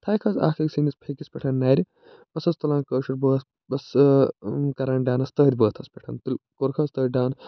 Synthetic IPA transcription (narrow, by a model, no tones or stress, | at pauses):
t̪ʰaːjkʰɐza̰ːkʰɐksinispʰekispʲɐʈʰɐnːɐːɾʲi | bɐsɐst̪ulãːnkəːʃɐɾbəːt̪ | bɐs | kɐɾaːɳɖaːnɐst̪əːd̪ʲbəːt̪ʰɐspʲɐʈʰɐnt̪ulʲkoɾkʰɐst̪əːɖaːn